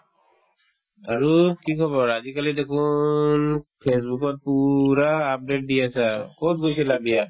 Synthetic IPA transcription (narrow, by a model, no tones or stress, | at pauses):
aɾukikʰɔβɔɹad͡ʒikalid̪ekʰunpʰes̬bukɔt̪̚puɾaːp̚ɖeʈ̚dijasaɾkɔt̪̚ɡojsɛlabija